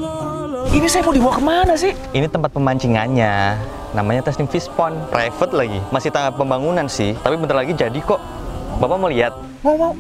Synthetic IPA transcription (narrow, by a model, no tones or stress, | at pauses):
inisajapudibawakəmanas̬ɪh | init̪əmpat̪̚pəmaɲt͡ʃiŋanɲa | namaɲat̪ɛsnɪŋfispɔnprafət̪̚laɡḭmasɪht̪aŋat̪̚pəmbaŋunansɪht̪apibənt̪ərlaɡid͡ʒadikɔʔ | bapamoliat̪̚ | wawa